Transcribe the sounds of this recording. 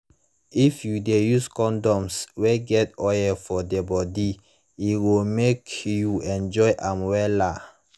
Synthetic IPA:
ifjudejuskɔ̃ndɔ̃msweɡɛtɔjɛfɔdebɔdi | iwilmekjuɛ̃nd͡ʒɔɪʔãmwɛla

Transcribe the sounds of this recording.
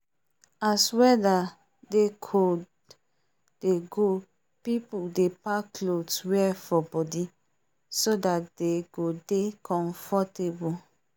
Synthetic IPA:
aswɛda | dekʰo | d̥eɡo | pipuldepakloswɛfɔbɔdi | sodat̚deɡodekʰɔ̃nfɔtebu

